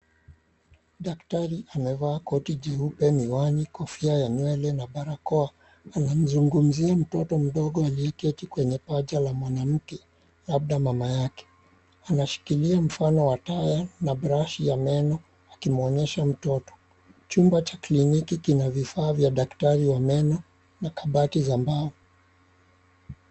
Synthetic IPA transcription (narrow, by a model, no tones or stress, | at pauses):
ɗaktaɾiʔamɛvaːkɔtid͡ʒɛupɛmiwanikɔfiajaɲwɛlɛnaɓaɾakɔaː | nam̩zuŋɡum̩ziam̩tɔtɔm̩ɗɔɠɔaliɛkɛtikwɛɲɛpad͡ʒalamwanam̩kɛ | lab̚ɗamamajakɛ̥ | anaʃi̥kiliam̩fanɔwatajanaɓɾaʃijamɛnɔ | akimɔɲɛʃam̩tɔtɔ̥ | t͡ʃumbat͡ʃḁklinikikinavifaːvjaɗaktaɾiwamɛnɔ | nakaɓatizambaɔ